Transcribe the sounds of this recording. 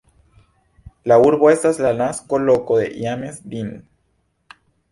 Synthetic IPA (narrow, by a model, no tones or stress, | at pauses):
lauɾβoest̪aezlanaskolokoðḛʔjamezd̪in